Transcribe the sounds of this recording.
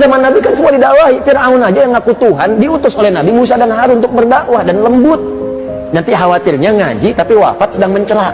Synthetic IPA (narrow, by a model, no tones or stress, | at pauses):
zamanːabikansəmuadidaʔwaɦifɪraʊnad͡ʒajaŋakut̪uɦandiut̪ʊsolɛhnabimus̬adanɦaɾuʊnt̪̬ʊk̚bərdaʔwahdanləmbʊt̪̚ | nant̪iɦawat̪ɪrɲaŋad͡ʒit̪apiwa̰fat̪̚sədaŋməɲt͡ʃəɾa